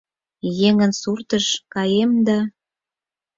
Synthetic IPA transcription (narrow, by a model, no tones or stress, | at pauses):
jeŋənsurt̪əʃkɑjemd̪ɑ